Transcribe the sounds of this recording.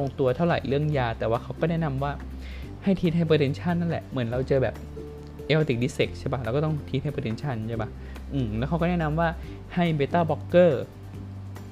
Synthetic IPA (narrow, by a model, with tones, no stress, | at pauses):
o˧ŋt̪u˧ɐt̪ʰa˥˩ɾa̰˨˩jɾɯ˥˩əŋjaː˧t̪ɛː˨˩waː˥˩kʰa˦˥wkɔː˥˩nɛː˥˩na˧mwaː˥˩ | ha˥˩jt̪ʰiː˧˥t̪̚ʰa˧˩pʰeː˧t̪ʰe˧nt͡ɕʰa˥˩nːa˥˩lɛ̰˨˩ʔmɯ˩˦ənɾa˧wt͡ɕɤː˧bɛ̰ː˨˩p̚ | ʔe˧o˧t̪i˨˩k̚iː˧˦˥se˨˩k̚t͡ɕʰa˥˩ba˦˥ɾwkɔː˥˩t̪ɔ˥˩ŋt̪ʰiː˧˥ha˥˩pəe˧t̪e˧nt͡ɕʰa˥˩nt͡ɕʰa˥˩ba˦˥ | ʔɯː˧˩lɛː˧˦˥wkʰa˦˥kɔ˥˩nɛː˥˩na˧˥mwaː˥˩ | ha˥˩jbeː˧t̪aː˥˩bɔ˦˥kːɤː˥˩